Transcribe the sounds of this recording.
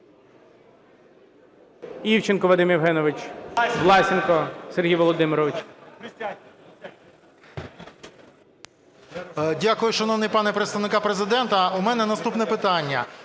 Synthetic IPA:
iwt͡ʃɪnkɔʋɐd̪ɪmiwɦɛnɔʋɪt͡ʃʋlˠɑsʲɪnkɔserɦijʋɔlˠɔd̪ɪmɪɾɔʋɪt͡ʃ | dʲakʊjʊʃɐnɔwnɪjpɑnɛpɾet̪st̪ɐʋnɪkɑpɾezɪd̪ɛnt̪ɐumɛnɛnɐst̪upnɛpɪt̪ɑnʲːɐ̰

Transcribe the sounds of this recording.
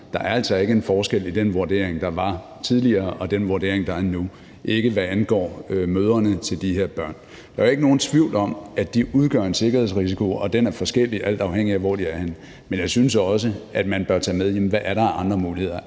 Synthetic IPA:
d̥ɑ̈ʔæɐæl̰sɒ̽e̝ɡ̥əe̝nfɒːsɡ̥el̰id̥enʋuɐd̥e̝̰ːɐeŋd̥ɑ̈ʋɑ̈ | t͡sʰið̞ˠliɐːʔɒ̽d̥enʋuɐde̝̰ɐ̰eŋd̥ɑ̈æɐnu | ʔe̝ɡ̥əʋæænɡ̥ɒ̰ːømøːð̞ˠɐnət͡sʰe̝ld̥ihe̝ɐ̰b̥ɶɐ̰n | d̥ɑ̈æe̝ɡ̥əno̝ːn̩t͡sʰʋiʊ̰lɒ̽mæd̥iuð̞ˠɡ̥ɶɐ̰e̝nse̝ɡ̥ɐheð̰ˠsʁisikʰo̝ɒ̽d̥enæɐfɒ̽sɡ̥el̰iʔæl̰d̥ɑ̈ʊheŋ̰iæʋɒ̰ːd̥iæɐhe̝n | menjɑ̈ɪsynsɒ̽s̬əæd̥mænb̥ɶɐt͡sʰɛ̰ːmeðˠjem̩ʋæʔæɐɾɑ̈æʔɑ̈nd̥ʁɐmuːlihe̝ð̰ˠɐ

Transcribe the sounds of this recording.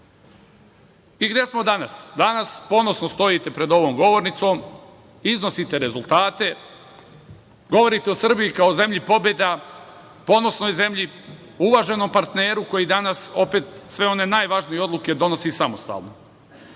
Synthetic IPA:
iɡd̪jesmo̞d̪anasd̪anaspo̞no̞sno̞st̪o̞it̪e̞pɾe̞d̪o̞ʋo̞ːmɡo̞ʋo̞ɾnit̪so̞ːm | izno̞sit̪e̞ɾe̞zulˠt̪aːt̪e̞ | ɡo̞ʋo̞ɾit̪e̞osr̩bijikao̞ze̞mʎipo̞bje̞d̪a | po̞no̞sno̞jze̞mʎi | uʋaʒe̞no̞mpaɾt̪ne̞ːɾuko̞jid̪anaso̞pe̞ːt̪sʋe̞o̞ne̞ːnaːjʋaʒnijeo̞d̪lˠuke̞d̪o̞nosisamost̪a̰ːlno̰

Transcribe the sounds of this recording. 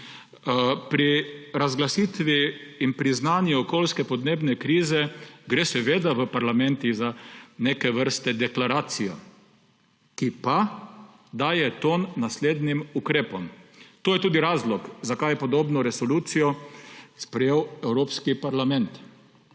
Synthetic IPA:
pɾiɾazɡlasiːt̪ʋiːnpɾiznaːnjuɔkoːlskɛpɔd̪neːbnɛkɾiːzɛɡɾeːsɛʋeːd̪aʋəpaɾlamɛnt̪izanekɛʋəɾst̪ɛd̪ɛklaɾaːt̪sijɔ̰ | kipa | d̪aːjɛt̪oːnːasleːd̪nimukɾeːpɔmt̪oːjɛt̪uːd̪iɾaːzlɔkzakajɛpɔd̪oːbnɔɾɛsɔluːt̪sijɔspɾɛjeːwɛwɾoːpskipaɾlamɛnt̪

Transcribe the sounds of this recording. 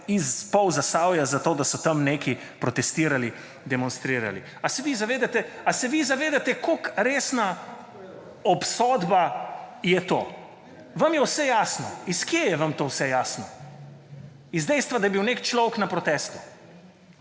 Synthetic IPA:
izpɔwzasaːwjazat̪oːd̪asɔt̪ɐmneːki | pɾɔt̪ɛst̪iːɾali | d̪ɛmɔnst̪ɾiːɾa̰lḭ | asɛʋizaʋeːd̪at̪ɛasɛʋizaʋeːd̪at̪ɛkokɾeːsna | ɔpsɔːd̪bajɛt̪o̰ː | ʋɐmjɛwsɛjaːsnɔiskjeːjɛʋɐmt̪oːwsɛjaːsnɔ | izd̪ɛjst̪ʋad̪ɐjɛbiwnekt͡ʃlɔwknapɾɔt̪ɛːst̪u

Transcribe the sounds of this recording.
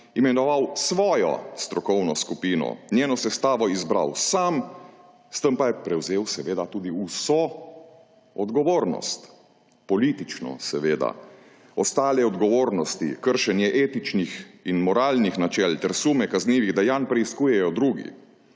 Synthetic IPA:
imɛnɔʋawsʋɔːjɔ̰st̪ɾɔkɔwnɔskupiːnɔ̰njeːnɔsɛst̪aːʋɔizbɾa̰wsam | st̪əmpajɛpɾɛwzeːwsɛʋeːd̪at̪uːd̪iusɔ | ɔd̪ɡɔʋoːɾnɔ̰st̪ | pɔliːt̪it͡ʃnɔ̰sɛʋeːd̪a̰ | ɔst̪aːlɛɔd̪ɡɔʋoːɾnɔst̪ḭkəɾʃɛnjɛʔeːt̪it͡ʃnixinmɔɾaːlnixnat͡ʃɛlt̪ɛɾsuːmɛkazniːʋiɣd̪ajanpɾɛiskuːjɛjɔd̪ɾuːɡḭ

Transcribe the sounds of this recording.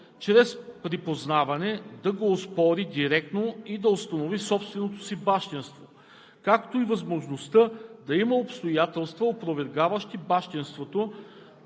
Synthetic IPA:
t͡ʃɾɛspɾipoznavɐnɛd̪ɐɡoːspɔɾid̪iɾɛk̚t̪noid̪ɐʊst̪ɐnovisɔpst̪vɛnot̪o̥sibaʃt̪inst̪vo | kakt̪oivɐzmoʒnost̪əd̪ɐiməopst̪ojat̪ɛlˠst̪vɐopɾovɛɾɡavəʃt̪ibaʃt̪inst̪vot̪o

